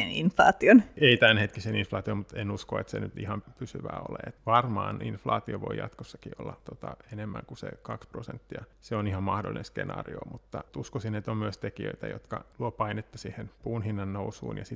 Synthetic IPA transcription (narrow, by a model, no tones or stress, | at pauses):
eninflɑ̰ːt̪ioneit̪ænhet̪kiseninflɑːt̪iommut̪enuskoet̪sḛnyt̪ihɑmpysyʋæːo̰lḛːet̪ʋɑrmɑːninflɑːt̪ioʋoijɑt̪kosːɑkiolːɑt̪ot̪ɑenemːæŋkusḛkɑksprosent̪ːiɑseonihɑmmɑhdo̰linenskenɑ̰ːrio̰mut̪ːɑt̪uskosinet̪ommyøst̪ekiø̰it̪æjot̪kɑluopɑinet̪ːɑsiːhenpuːnhinːɑnːousṵːnjɑsi